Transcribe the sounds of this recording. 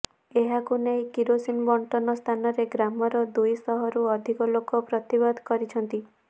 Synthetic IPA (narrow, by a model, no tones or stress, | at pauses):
eɦakunejkiɾosinbɔɳʈɔnɔst̪ʰanɔɾeɡɾamɔɾɔd̪ujsɔɦɔɾuɔd̪ʱikɔlokɔpɾɔt̪ibɔd̪ʱkɔɾit͡ʃʰɔnt̪i